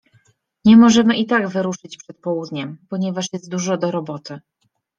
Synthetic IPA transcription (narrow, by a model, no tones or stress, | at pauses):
ɲɛmɔʐɛmɘʔit̪aɡvɘɾuʂɘt͡ɕpʂɛt̪̚pɔwud̪ɲɛmpɔɲɛvaʂjɛst̪̚d̪uʐɔd̪ɔɾɔbɔt̪ɘ